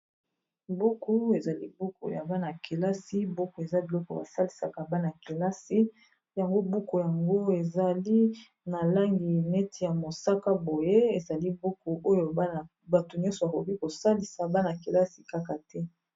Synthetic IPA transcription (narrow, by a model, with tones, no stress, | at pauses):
bo˦ku˦e˨za˨li˦bu˦ko̰˨ja̰˨ba˦na˨ke˨la˦si˦bo˦ko˨e˨za˦bi˨lɔ˦kɔ˨ba̰˨sa˦li˨sa̰˨ka˨ba˦na˨ke˨la˦si˦ | ja˨ŋɡo˦bu˦ko˨ja˨ŋɡo˦e˨za˨li˦ | na˨la˦ŋɡi˨nɛ˦ti˨ja˨mo˨sa˦ka˦bo˨je˦e˨za˨li˦bo˦ko˨ʔo˦jo˨˦˨ | ba˨to˨nɲjɔ̃˦nsɔ˨a˨ko˨ki˦ko˨sa˦li˨sa˨ba˦na˨ke˨la˦si˨ka˦ka˨tɛ˦